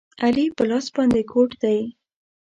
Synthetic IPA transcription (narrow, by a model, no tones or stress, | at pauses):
alipəlɑsbɑnd̪ekʰoʈd̪aj